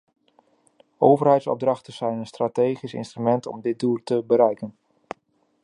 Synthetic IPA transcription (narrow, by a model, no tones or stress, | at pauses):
owvərɦɛjtsɔ̰b̚drɑχtəz̥ɛjnənstratejχisɪ̰nstrymɛntɔ̰mdɪt̚duːltəbəɾɛjkən